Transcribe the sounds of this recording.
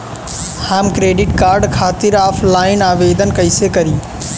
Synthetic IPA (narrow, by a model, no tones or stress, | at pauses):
hamkɾeɖiʈkaɾɖkʰat̪iɾapʰlainaʋed̪ənkəɪsekəɾi